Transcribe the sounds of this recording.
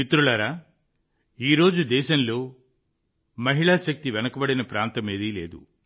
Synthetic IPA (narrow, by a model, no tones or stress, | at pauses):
mit̪ɾuɭɐɾaː | iːɾo̞ːd͡ʒud̪ɛːʃɐnlo̞ː | mɐɦiɭaʃɐk̚t̪iʋɛnɐkɐbɐɽinɐpɾaːnt̪ɐmeːd̪ilḛːd̪ṵ